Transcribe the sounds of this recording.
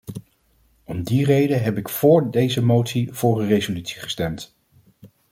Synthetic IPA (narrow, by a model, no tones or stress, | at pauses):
ɔmdirejdəɦɛpɪkfʊːɹdejzəmowtsiv̥ʊːrərejzolytsi̥χə̥stɛmt